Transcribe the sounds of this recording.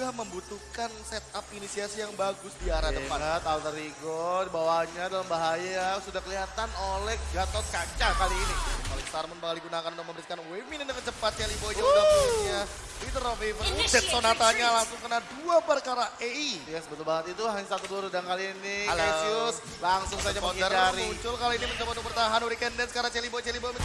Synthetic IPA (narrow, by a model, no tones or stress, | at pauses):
ɡahməmbut̪ukansɛt̪̚apinisiasijaŋbaɡʊsdiaɾadəpat̪alt̪əɾiɡɔdibawaɲadalambaɦajasudahkəliɦat̪anolɛhɡat̪ɔskat͡ʃakaliːniolɛksarmʊnpakaliɡunakanudak̚məmbəɾɪt̪̚kanwemɪnindakət͡ʃəpat̪̚t͡ʃalibod͡ʒadaa | it̪əɾofifənsɛsonat̪aɲalaŋsʊŋkənaduapərkaɾaeijasəbət̪ʊlbaŋət̪it̪uɦaɲasat̪uduaɾudaŋkaliːnialasiʊs | laŋsʊŋsad͡ʒapokiərt͡ʃaɾiuɲt͡ʃʊlkaliinimət͡ʃapaupərt̪aɦanuɾikɛndɛnskaɾat͡ʃelibot͡ʃelibomən